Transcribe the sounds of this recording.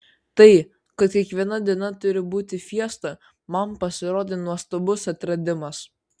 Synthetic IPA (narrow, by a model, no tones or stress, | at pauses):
t̪ɐɪ | kɐt̪kʲiɛkʋʲiɛnɐd̪ʲiɛnɐt̪ʊɾʲɪbuːt̪ʲɪfʲiɛst̪ɐ | mɐmpɐsʲɪɾoːd̪ʲeːnuɔst̪obʊsɐt̪ʲɾɐd̪ʲɪmɐs